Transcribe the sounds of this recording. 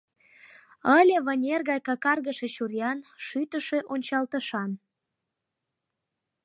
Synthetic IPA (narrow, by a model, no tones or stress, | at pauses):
əlʲĕβənʲerɣɑjkɑkɑrɣəʃeɕurjɑnʃyt̪əʃeʔonʲt͡ɕɑlt̪əʃɑn